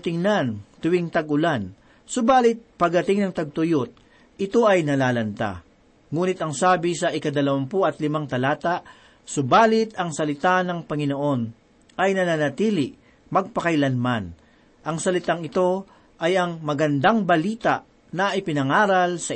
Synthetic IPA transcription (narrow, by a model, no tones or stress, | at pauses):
t̪ɪŋnant̪ʊwɪŋt̪ɐɡʊlan | sʊbaːlɪt̪̚pɐɡ̚d̪ɐt̪ɪŋnɐŋt̪ɐɡ̚t̪ʊjot̪̚ | ɪt̪o̞ʔɐjnɐlaːlɐnt̪a̰ | ŋuːnɪt̪ɐŋsaːbɪsɐʔɪkɐd̪ɐlɐwɐmpoʔɐt̪lɪmaŋt̪ɐlaːt̪aʔ | sʊbaːlɪt̪ɐŋsɐlɪt̪anɐŋpɐŋɪnoʔo̞n | ʔɐjnɐnanɐt̪iːlɪʔ | mɐɡ̚pɐkɐjlɐnman | ʔɐŋsɐlɪt̪aŋɪt̪o̞ | ʔɐjɐŋmɐɡɐnd̪aŋbɐliːt̪aʔ | nɐʔɪpɪnɐŋaːɾɐlsɐ